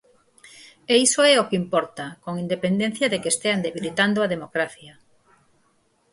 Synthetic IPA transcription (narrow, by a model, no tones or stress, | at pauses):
eisoɛokeimpɔɾt̪akoŋind̪epend̪ẽn̟θjɐðekest̪eand̪eβilit̪and̪oɐð̞emokɾaθjɐ